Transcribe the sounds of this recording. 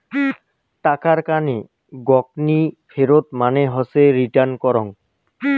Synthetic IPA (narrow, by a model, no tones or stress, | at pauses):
ʈakaɹkane | ɡɔk̚nipʰeɾot̪manɛɦɔseɹiʈankɔɾɔŋ